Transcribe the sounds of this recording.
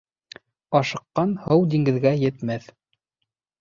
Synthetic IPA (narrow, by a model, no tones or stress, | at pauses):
ɑʃɤ̆qːɑnhɤwd̪iŋɡɘ̆ðɡæjɘ̆t̪mæθ